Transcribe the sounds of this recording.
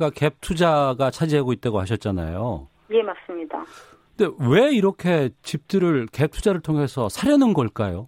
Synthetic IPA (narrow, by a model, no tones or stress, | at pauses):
ɡake̞p̚tʰud͡ʑaɡat͡ɕʰad͡ʑiɦaɡoit̚t͈aɡoɦaɕ̬ʰʌt̚t͡ɕ͈ana̰jo̰ | jemas͈ɯmɲida | nde̞we̞iɾʌkʰe̞t͡ɕip̚t͈ɯɾɯɭke̞p̚tʰud͡ʑaɾɯɭtʰoŋɦe̞sʰʌsʰaɾjʌnɯnɡʌɭk͈ajo